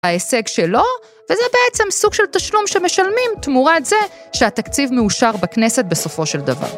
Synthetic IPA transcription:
aese̞ɡʃelo̞ | vezɛbeet͡se̞msuɡ̥ʃelt̪aʃlumʃeme̞ʃalmimt̪muʁatze̞ | ʃeat̪akt͡sivmeuʃaʁbakne̞se̞t̪̚be̞so̞fo̞ʃe̞ld̪ava̰ʁ

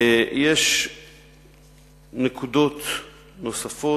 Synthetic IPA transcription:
jeʃ | nekud̪o̞t̪ | no̞safo

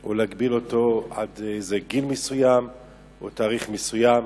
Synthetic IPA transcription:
ʔolaɡbilo̞to̞ad̪ejzeɡilmesujam | ot̪aːʁiχmesujam

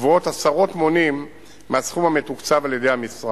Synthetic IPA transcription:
vuo̞t̪asaʁo̞t̪mo̞nimː | easχumhame̞t̪ukt͡savaljed̪ejhamisʁa

